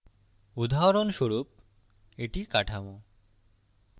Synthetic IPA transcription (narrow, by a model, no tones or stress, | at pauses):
ud̪ʱaɦɾonʃoɾup̚ | eʈikaʈʰamo